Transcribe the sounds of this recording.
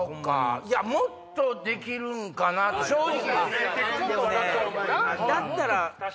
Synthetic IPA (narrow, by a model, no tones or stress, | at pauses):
okːa̰iamot̪ːo̞d̪e̞kʲiɾɯ̟ŋkanat̪ɕoi | d̪esn | d̪at̪ːaɾa